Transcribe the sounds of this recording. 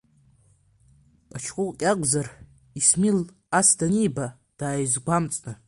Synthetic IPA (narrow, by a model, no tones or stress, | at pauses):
at͡ʃʰqʷʼʊqʼkʲʼaɡʷzar | ismil | asdaniːba | d̥aːjzɡʷamt͡sʼnɨ